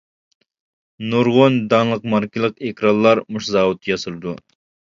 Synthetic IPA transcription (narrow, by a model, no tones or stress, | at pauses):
nuɾʁond̪ɑnlˠəqmɑɾkʲilˠəqekʲɾɑnlˠlːɑɾmuʃzɑːwut̪ːjɑsɨɾɨd̪u